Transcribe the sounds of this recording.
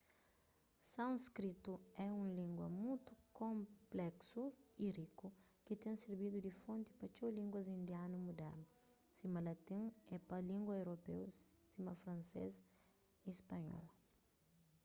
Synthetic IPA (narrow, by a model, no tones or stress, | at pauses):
sãnskɾit̪uɛũŋlĩŋɡwɐ̰mut̪u̥kõmplɛksuiɾikukɪt̪ẽŋseɾbid̪ud̪ifõnt̪i̥pɐt͡ʃolĩŋɡwɐzĩnd̪janumud̪ɛ̰ɾnu | simɐlɐt̪ĩŋɛpɐlĩŋɡwɐewɾopḛwsimɐfɾɐ̃nsḛz | ispɐɲɔ̰l